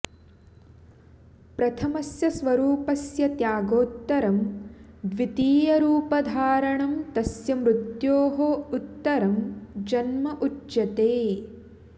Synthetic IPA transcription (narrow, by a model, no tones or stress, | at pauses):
pɾɐt̪ʰɐmɐsjɐsʋɐɾuːpɐsjɐt̪jaːɡoːt̪ːɐɾɐmd̪ʋit̪iːjɐɾuːpɐd̪ʱaːɾɐɳɐmt̪ɐsjɐmɾut̪joːɦout̪ːɐɾɐmd͡ʒɐnmɐʔuɐt̪eː